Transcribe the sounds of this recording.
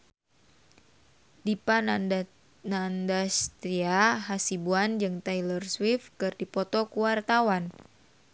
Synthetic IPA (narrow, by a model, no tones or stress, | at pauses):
dipan | nandast̪ɾiaɦasibuand͡ʒɨŋt̪ajlərswifkɨrdipɔt̪ɔkuwart̪awan